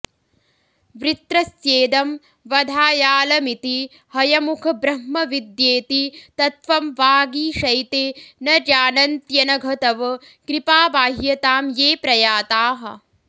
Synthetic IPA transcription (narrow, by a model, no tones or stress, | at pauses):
ʋɾit̪ɾɐsjeːd̪ɐm | ʋɐd̪ʱaːjaːlɐmit̪i | hɐjɐmukʰɐbɾɐɦmɐʋid̪jeːt̪it̪ɐt̪ʋɐmʋaːɡiːʃɐjt̪eːnɐɾjaːnɐnt̪jɐnɐɡʱɐt̪ɐʋɐ | kɾipaːbaːɦjɐt̪aːmjeːpɾɐjaːt̪aːɦɐ̰̆